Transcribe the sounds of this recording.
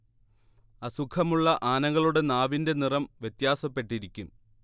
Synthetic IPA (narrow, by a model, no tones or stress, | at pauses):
ɐsukʰɐmuɭːɐʔaːnɐŋːɐɭuɽe̞naːʋinde̞nirɐmʋjet̪jaːsɐpːe̞ʈːiɾikʲːum